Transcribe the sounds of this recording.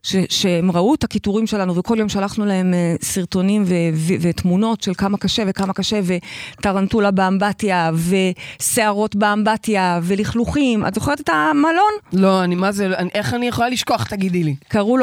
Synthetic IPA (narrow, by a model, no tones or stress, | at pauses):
ʃeʃeemʁauetakituʁimʃe̞lanuveko̞ljo̞mʃalaχnulahe̞mesiʁto̞nimvevivetmuno̞tʃe̞lkamakaʃe̞ve̞kamakaʃe̞ve̞taʁantulabeambatjave̞se̞aʁo̞tbeambatjave̞liχluχimʔa̰tzoχet̪etamalo̞nlo̞animazeaʔeχanijeχolaliʃkoaχt̪aɡid̪ilikaʁul